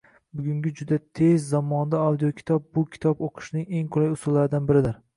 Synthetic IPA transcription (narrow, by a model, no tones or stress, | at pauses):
bʊɡʲʊŋɡʲɪd͡ʒʊd̪at̪ʰezːamɒnd̪aawd̪ijokʲʰɪ̥t̪ʰɒp̚bʊkʲʰɪ̥t̪ʰɒpoqʰɨ̥ʃnɪŋe̞ŋqʰʊlajʊsʊlːaɾɪd̪anbɪɾɪd̪ɪɾ